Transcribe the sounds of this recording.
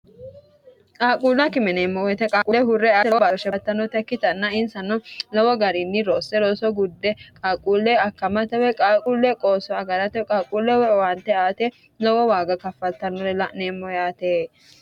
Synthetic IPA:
kʼaːkʼuːlːɐkɪmɛneːmːɔwɛt̪ɛkʼaːkʼulɛɦʊɾːɛawɔbaʃɛt̪ːɐnːɔt̪ɛkːɪt̪ɐnːɐɪnsɐnːɔlɔwɔɡɐɾɪnːɪɾoːsːɛɾoːsɔɡʊd̪ːɛkʼaːkʼuːlːɛɐkːɐmɐt̪ɛwɛkʼaːkʼulːɛkʼoːsɔɐɡɐɾɐt̪ɛkʼaːkʼuːlːɛwɛwɐnt̪ːɛaːt̪ɛ | lɔwɔwaːɡɐkɐfːɐlt̪ːɐnːɔlɛlɐneːmːɔjaːt̪eː

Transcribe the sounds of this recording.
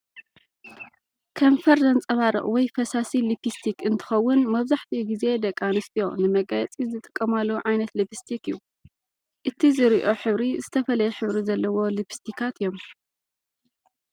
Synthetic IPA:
kʰɐmfɐɾzɐnt͡sʼɐβaɾɨ̰ʔʼwɔjfɐsasilipʰist̪ʰikɨnt̪ʰɨ̥xɐwːʊnmɐβzaħt̪ʰiɡize̞d̪ɐkʼːanɨst̪ʰijo̞nɨmɐɡajɛt͡sʼizɨt̪ʼɨ̥kʼːɐmalːoʕajnɐt̪libist̪ʰikɨjːu | ʔɨt̪ʰizɨɾiʔo̞ħɨβɾizɨt̪ʰɐfɐlɐjɛħɨβɾizɐlːɐwo̞lipʰi̥st̪ʰikʰat̪ɨjom

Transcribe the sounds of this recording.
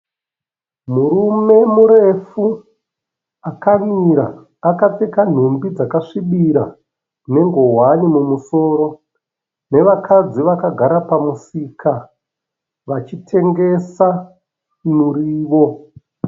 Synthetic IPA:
muɾume̞muɾe̞fu | akamiɾa̰ː | katekan̤umbid͡zakaʂiɓiɾa | ne̞ŋɡo̞ɦwanimumuso̞ːɾo̞ | ne̞ʋakʰad͡ziʋakaɡʱaɾapamusika | ʋat͡ʃitʰe̞ŋɡe̞sa | nuɾiːʋo̞

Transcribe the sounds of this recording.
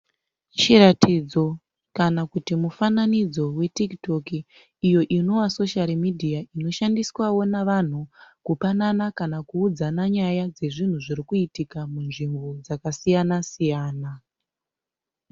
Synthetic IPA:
t͡ʃiɾatʰid͡zo̞ | kanakutimufananid͡zo̞we̞tikto̞kiː | jo̞ʔino̞waso̞ʃalimidʱiaʔino̞ʃandiswawo̞naʋan̤ukupananakanakuːd͡zanaɲajad͡ze̞ʐin̤uʐiɾikuitikamunʐimbo̞d͡zakasijanasijaːna

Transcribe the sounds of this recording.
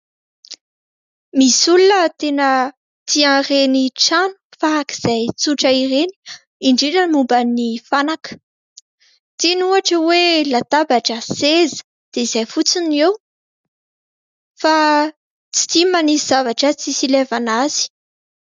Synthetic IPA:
misulunət̪enə | t̪iareniʈ͡ʂanu̥faaki̥z̥ajt͡suʈ͡ʂəiɾeni̥ | iɳɖ͡ʐeʈ͡ʂəmumbənifanakə̥ | t̪enuaʈ͡ʂəwelat̪abaʈ͡ʂəsezə̥ | d̪̥eizajfut͡sinew | fa | t͡si̥t̪imaniz̥avaʈ͡ʂət͡sisilevanaz̥i̥

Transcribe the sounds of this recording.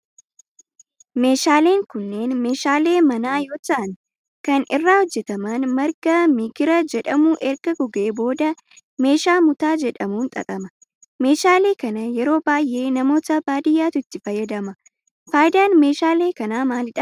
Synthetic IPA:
me̞ːʃaːle̞ːŋkʊnːe̞ːnme̞ːʃaːle̞ːmɐnaːjoːt͡ʃːɐʔɐn | kɐnɪrːaːhɔd͡ʒːɛt̪ɐmaːnmɐɾɡɐmɪɡɪɾɐd͡ʒɛᶑɐmuːʔɛɾɡ̥ɐɡɔɡe̞ːbo̞ːd̪ɐ | me̞ːʃaːmʊt̪aːd͡ʒɛᶑɐmuːnt̪ʼɐ̰k̪ʼɐmɐ | me̞ːʃaːle̞ːkɐnɐjɛɾo̞ːbaːjʔe̞ːnɐmo̞ːt̪ɐbaːd̪ɪjːaːt̪ʊɪt̪ːɪfɐjːɐd̪ɐmɐ | faːjd̪aːnme̞ːʃaːle̞ːkɐnaːmaːlɪᶑɐ

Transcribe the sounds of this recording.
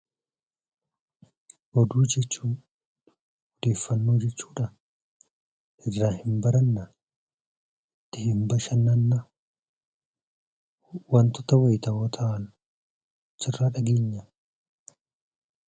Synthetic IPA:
ʔɔd̪uːd͡ʒɛt͡ʃːuːn | ɔd̪e̞ːfːɐnːuːd͡ʒɛt͡ʃːu̥ːᶑɐ | ʔɪdɾaːhɪmbɐɾɐnːɐ | t̪ːɪhɪmbɐʃɐnːɐnːɐ | wɐnt̪ɔt̪ɐwɐjt̪ɐwɔt̪ʰɐʔɐn | t͡ʃːɪrːaːᶑɐɡeːɲːɐ

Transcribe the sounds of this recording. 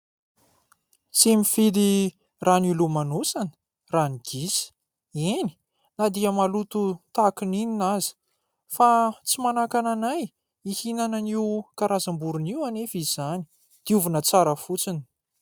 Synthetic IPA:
simifid̪i | ranilumanusanə̥ | raniɡ̥isi̥ | eni̥ | nad̪iəmalut̪ut̪akinininazi̥ | fat͡simanakananaj | ihinananiwkaɾazambuɾuniwanefiz̥ani̥ | d̪̥iuvunət͡saɾəfut͡sini̥

